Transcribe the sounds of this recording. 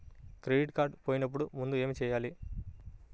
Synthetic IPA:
kɾeɖiʈkaːɾɖpoːjinɐp̬ːuɽumund̪ue̞ːmit͡ʃɛːjaːli

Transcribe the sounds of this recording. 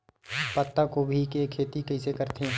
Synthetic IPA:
pɐt̪ːakobʱikekʰːeːt̪ikɐɪsekɐɾt̪eɦɛ̃

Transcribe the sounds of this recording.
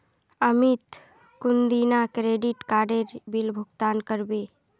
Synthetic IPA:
əmɪt̪ | kʊnd̪inakɾeːɖɪʈkaːɖeɾbilbʱʊɡt̪aːnkəɾbeː

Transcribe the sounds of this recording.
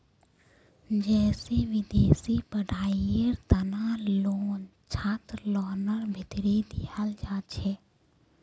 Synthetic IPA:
d͡ʒɛːseʋɪd̪eːsipəɖʱaːieɾt̪ənaloːnt͡ʃʰaːt̪ɾlɔːnəɾbʱɪt̪ɾid̪ijald͡ʒaːt͡ʃʰeː

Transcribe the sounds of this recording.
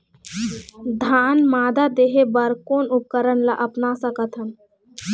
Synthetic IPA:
d̪ʱaːnmaːd̪ad̪eɦebəɾkoːnʊp̚kəɾənlaʔɐpnasəkət̪ʰɦən

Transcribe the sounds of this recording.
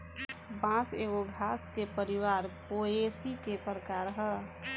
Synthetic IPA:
bãseːɡoɡʱaːskepəɾiwaːɾpoesikepəɾəkaɾɦə

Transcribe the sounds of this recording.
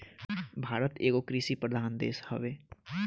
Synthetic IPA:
bʱaːɾət̪eːɡokɾisipɾəd̪ʱaːnd̪ḛːshə̰be

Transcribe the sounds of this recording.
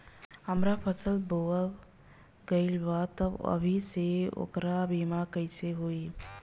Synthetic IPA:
həmɾapʰəsəlboə | ɡəilbaːt̪əbə̰bʱiseo̰kɾabiːmakəɪseɦoːi

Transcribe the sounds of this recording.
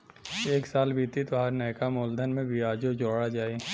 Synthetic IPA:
eːksaːlbʱiːt̪it̪ʋaɾnɛːkamoːld̪ʱənmẽbɪaːd͡ʒod͡ʒoːɽad͡ʒaːeː

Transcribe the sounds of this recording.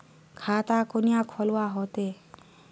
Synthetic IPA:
kʰaːt̪aːkʊnijãkʰɔlwaːɦoːt̪eː

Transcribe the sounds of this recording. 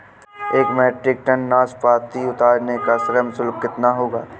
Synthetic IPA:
eːkmɛːʈɾɪk̚ʈənːaːspaːt̪iʊt̪aːɾnekasɾəmsʊlb̚kɪt̪naɦoːɡaː

